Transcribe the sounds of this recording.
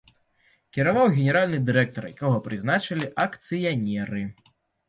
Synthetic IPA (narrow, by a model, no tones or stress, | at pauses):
kʲɛɾavawɣʲɛnʲɛɾalʲnɨd̪ɨɾɛk̚t̪ɔɾja̰kaɣɔpɾɨznat͡ʃɐlʲiʔɐkt̪sɨjanʲɛɾɨ